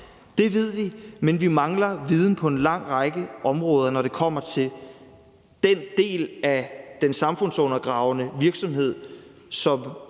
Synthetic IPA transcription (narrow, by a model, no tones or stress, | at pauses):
d̥e̝ʋe̝ð̞̰ˠʋimenʋimɑ̈ŋlɐʋið̞ˠn̩pʰɒ̽e̝nlɑ̈ŋ̰ʁɑɡ̥əʔɒ̽mʁɔ̽ːð̞ˠɐnɒɾ̥e̝kʰɒ̽m̰ɐt͡sʰe̝l | d̥end̥e̝̰ːlæd̥ensɑ̈mfɔ̽n̰sɔ̽nɐɡ̥ʁɑ̈ʊnəʋiɐɡ̥sɒ̽mɦe̝ð̞̰ˠ | sɒ̽m